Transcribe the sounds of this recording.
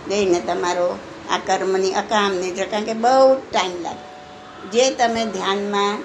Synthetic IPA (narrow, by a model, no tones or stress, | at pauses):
d͡ʒeinet̪ɦəmaɾo | a̰kəɾməniʔəkamnid͡ʒəkãkebəɦut̪ʈaimla̰ɡ | d͡ʒet̪əmẽd̪ʱjanme